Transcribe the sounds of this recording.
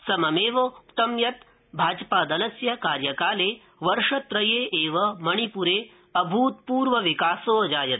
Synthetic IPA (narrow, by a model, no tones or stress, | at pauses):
sɐmɐmeːʋɐt̪ɐmjɐt̪ | bʱaːd͡ʒpaːd̪ɐlɐsjɐkaːɾjɐkaːleː | ʋɐɾʂɐt̪ɾɐjeːʔeːʋɐmɐɳ̃ipuɾeː | ɐbʱuːt̪̚puːɾʋɐʋikaːsoːɐd͡ʒaːjɐt̪